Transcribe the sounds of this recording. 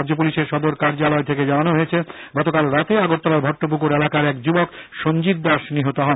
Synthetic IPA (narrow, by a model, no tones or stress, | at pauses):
d͡ʑop̬uliʃeɾʃɔd̪oɾkaɾd͡ʑalɔet̪ʰeked͡ʑananoɦojet͡ɕʰeɡɔt̪okalɾat̪eaɡot̪ːɔlaɾbʱɔʈːop̬ukoɾelakaɾɛkd͡ʑubokʃond͡ʑit̪̚d̪ɔʃniɦot̪oɦɔe